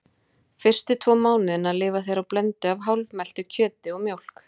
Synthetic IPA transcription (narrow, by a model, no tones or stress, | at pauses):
fɪr̥st̪ɪt̪ʰvɔːmaːwnɪðɪnaðlɪːvaθejɾawplɛnt̪ʏavɦawlvmɛl̥t̪ʏcʰœːt̪ɪɔɣmjowl̥k